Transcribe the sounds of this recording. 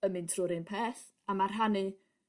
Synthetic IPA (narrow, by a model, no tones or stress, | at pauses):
əmɨntʰrʊɾɪnpʰɛːθ | amarɦanɨ